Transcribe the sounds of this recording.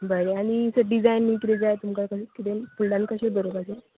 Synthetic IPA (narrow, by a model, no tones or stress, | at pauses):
bəɾeaɽ̃isəɖid͡zajnːikɾed͡zaet̪umkakəskit̪epulɖankəɕed̪əɾobad͡za